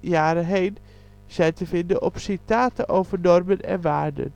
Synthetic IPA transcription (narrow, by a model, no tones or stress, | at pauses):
jaːɾəɦeɪn | sɛjtəfɪndəʔɔpsɪtaːtəʔoːvənɔrmənɛ̰nʋaːɹdə̰n